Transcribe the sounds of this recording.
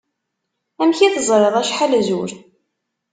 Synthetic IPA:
æmçiθəzˤɾeðˤæʃħalzuɾ

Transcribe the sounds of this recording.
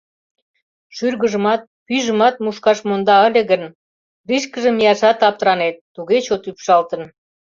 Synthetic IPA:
ʃyrɣə̆ʒə̆mɑt̪̚pyʒə̆mɑt̪̚muʃkɑʃmond̪ɑə̆lʲĕɣən | riʃkə̆ʒə̆mijɑʃɑt̪ɑp̚t̪ɾɑnet̪ːuɣet͡ɕot̪ypʃɑlt̪ə̆n

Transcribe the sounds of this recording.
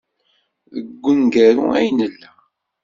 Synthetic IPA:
ðəɡʷːənɡæɾṵæ̰jnəlː

